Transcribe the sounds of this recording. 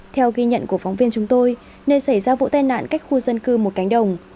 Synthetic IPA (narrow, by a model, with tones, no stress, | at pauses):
t̪ʰɛ˧wɣi˧ɲə̰˧˨nku˧˩əfa˨˦wŋ͡mvi˧ənt͡ɕʊ˨˦ŋ͡mt̪o˧j | nəː˧sa˧˩jzaː˧vṵ˧˥t̪a˧jna̰ː˧˨nka˦˥k̟̚xu˧zə˧nkɨ˧mo˨˩t̚ka˨˦jŋ̟ɗə˨˩wŋ͡m